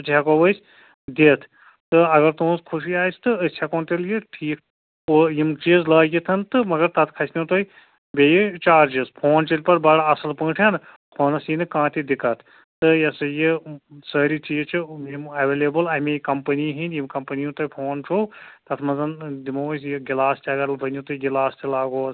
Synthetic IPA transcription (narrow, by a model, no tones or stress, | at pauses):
t̪t̪ʰʲjakoʋɐsʲ | d̪eːt̪ʰ | t̪ɨɐɡɐɾt̪ũskʰuʃiaːjst̪ɨəsʲʰjakoːnt̪eljiʈʰiːk | kojimt͡ʃizlɐːjit̪ʰɐnt̪ɨmɐɡɐɾt̪ɐt̪ʰkʰɐsʲnit̪oj | bejit͡ʃaːɾd͡ʒizpʰoːnt͡ʃilʲpɐɾbɐɽɐsɐlpɐ̃ːʈʰʲjan | kʰoːnɐsinɨkãːt̪ʰid̪ikɐt̪ʰ | t̪ɨjɐsɐjisɐɾit͡ʃiːzt͡ʃʰɨjimɐʋeːleːbɨlɐmejkɐmpɐniɦinjimkɐmpɐnijũt̪ojpʰoːnt͡ʃʰoːt̪ɐt̪ʰmɐnzɐnd̪imoːsjiɡilaːst̪ʰʲɐɡɐɾbɐnʲut̪oːiɡilaːst̪ʰilaːɡoːz